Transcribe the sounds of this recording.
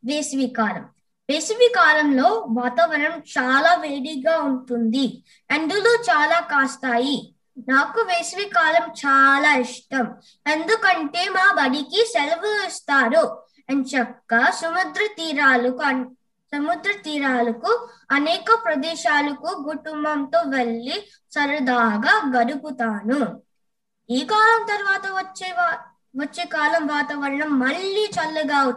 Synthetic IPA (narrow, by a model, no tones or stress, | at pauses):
ʋeːsʋiːkaːlɐ̰m | ʋeːsʋiːkaːlɐmlo̞ːʋaːt̪aːʋɐɾɐmt͡ʃaːlaːʋeːɽiɡaːuɳʈund̪i | end̪uloːt͡ʃaːlaːkaːst̪aːji | naːkuʋeːsʋiːkaːlɐmt͡ʃaːlaːiʂʈɐm | end̪ukɐɳʈe̞ːmaːbɐɽikiselʋɐist̪aːɾu | ɐnt͡ʃɐkːɐsɐmud̪ɾɐt̪iːɾaːlɐkuɐ | sɐmud̪ɾɐt̪iːɾaːlɐkuɐnɛːkɐpɾɐd̪ɛːʃaːlɐkuɡuʈumbɐnt̪oːʋeɭːi | sɐɾud̪aːɡaːɡɐɽuput̪aːnu | iːkaːlɐmt̪ɐɾʋaːt̪ɐʋɐt͡ʃːeːa | ʋɐt͡ʃːeːkaːlɐmʋaːt̪ɐʋɐɾɐɳɐmːɐɭːiːt͡ʃɐlːɐɡaː